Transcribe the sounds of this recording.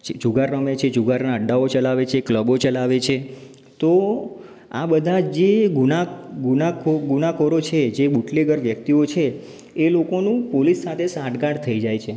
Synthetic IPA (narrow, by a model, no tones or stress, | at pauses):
d͡ʒuɡaɾːəmet͡ʃʰed͡ʒuɡaɾnaəɖːaot͡ʃəlaʋet͡ʃʰekləbot͡ʃəlaʋet͡ʃʰe | t̪o | a̰bəd̪ʱad͡ʒd͡ʒeɡunaɡunakoɡunakoɾot͡ʃʰed͡ʒebuʈleɡəɾʋjək̚t̪iot͡ʃʰeː | lokonũpolisːat̪ʰesãʈɡaɽt̪ʰəid͡ʒajt͡ʃʰe